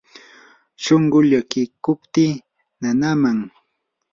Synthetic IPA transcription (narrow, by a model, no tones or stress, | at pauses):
ʃoɴɢʊʎakɪkʊpt̪iː | nanamaŋ